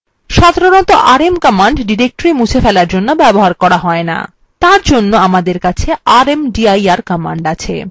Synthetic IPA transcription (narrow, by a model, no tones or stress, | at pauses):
ʃad̪ʱaɾonɔt̪oʔaɾemkɔmaɳɖɖiɾek̚ʈoɾimut͡ɕʰefɛlaɾd͡ʑonːobɛboɦaɾkɔɾaɦɔena̰ | t̪aɾd͡ʑonːoamad̪eɾkat͡ɕʰeaɾemɖiajaɾkɔmaɳɖat͡ɕʰḛ